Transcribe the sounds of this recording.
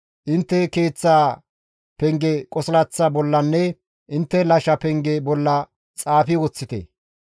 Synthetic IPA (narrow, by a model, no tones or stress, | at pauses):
ʔɪnt̪ːɛkeːt͡sːaː | pɛŋɡɛkʼɔslɐt͡sːɐbɔlːɐnːɛ | ʔɪnt̪ːɛlɐʃɐpɛŋɡɛbɔlːɐ | t͡sʼaːfɪwɔt͡sːɪt̪ḛ